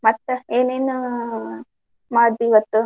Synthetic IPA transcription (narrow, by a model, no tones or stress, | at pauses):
mɐt̪ːɐeːneːnu | maːd̪iʋɐt̪ːu